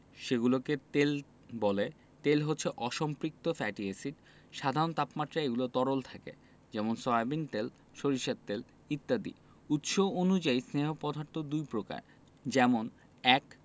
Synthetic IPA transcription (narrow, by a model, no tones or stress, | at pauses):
ʃeɡuloket̪el | bɔle | t̪elɦotːɕʰeʔɔʃɔmpɾik̚t̪ofɛʈiesiʈ | ʃad̪ʱaɾont̪apmat̪ːɾaeɡulot̪ɔɾolt̪ʰakḛ | d͡ʑɛmonsɔabint̪el | ʃoɾiʃat̪ːel | it̪ːad̪ḭ | ut̪ʃoonud͡ʑaisneɦopɔd̪ʱaɾt̪ʰod̪ujpɾoka̰ɾ | d͡ʑɛmon | ɛk